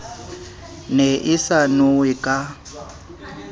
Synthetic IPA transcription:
nɛʔɪsanʊwɪkʼa

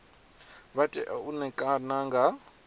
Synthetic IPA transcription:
βatʼɛ̰ʔaunɛkʼanaŋɡa

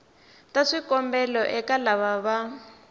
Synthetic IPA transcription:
taʂikɔmbɛlɔʔɛkalaβaβa

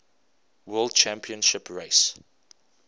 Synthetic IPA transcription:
wɜlˠd̚t͡ʃʰæ̃mpiə̃nʃɪpʰɹeɪs

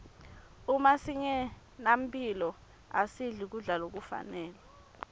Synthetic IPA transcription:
umasiɲɛ | nam̩pʰʼilɔ | asiɮik̬uɮalok̬ufa̰nɛːlɛ

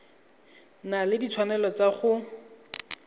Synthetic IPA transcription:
nalɪdit͡sʰwanɛlɔt͡saχʊ

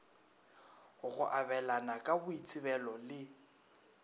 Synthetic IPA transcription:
ɣʊɣʊ̰ʔabɛlanakʼabʊit͡sʼɪbɛlɔlɪ

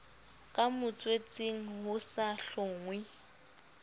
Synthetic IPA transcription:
kʼamʊt͡sʼwet͡sʼɪŋ̩ɦʊsaɬʊːŋwɪ

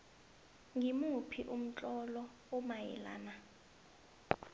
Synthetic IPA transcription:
ŋimupʰiʔum̩t͡ɬʼɔlɔ | umajɛ̰la̰ːna

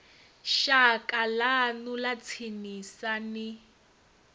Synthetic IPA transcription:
ʃakʼalanulat͡sʰinisanɪ

